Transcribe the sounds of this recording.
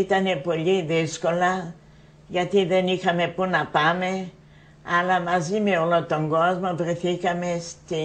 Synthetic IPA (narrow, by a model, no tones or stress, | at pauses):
it̪ɐne̞po̞ʎiðisko̞lɐ | ʝɐt̪iðenixɐme̞punɐpɐme̞ | ɐlɐmɐzime̞olot̪o̞ŋɡozmovɾeθikɐme̞st̪i